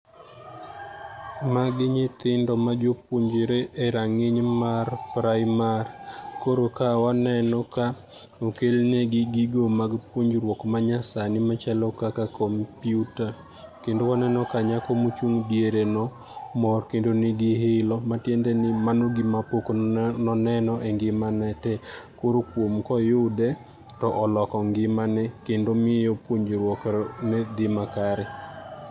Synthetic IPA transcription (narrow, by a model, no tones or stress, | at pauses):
maɡɪɲɪt̪ɪndɔmad͡ʒopwoɲd͡ʒeɾeʔeɾaŋɪɲmarpɾaɪmarkoɾokawanɛnɔka | okelneɡɪɡɪɡomaɡpwoɲd͡ʒɾwɔkmaɲasanɪmat͡ʃalɔkakakɔmpjuta | kendowkɔnɛnɔkaɲakomot͡ʃuŋdjeɾenɔ | mɔrkendonɪɡɪɦelɔmatjendɛnɪmanoɡimapokonɔnɛnɔʔeŋɡɪmanɛtɛkoɾokwomkɔjʊdɛ | tɔʔɔlɔkɔŋɡɪmanɛkendomɪjɔpwoɲd͡ʒɾwɔknɛd̪ɪmakaɾɛ